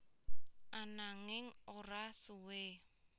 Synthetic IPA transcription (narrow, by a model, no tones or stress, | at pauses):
anaŋɪŋɔɾasuwe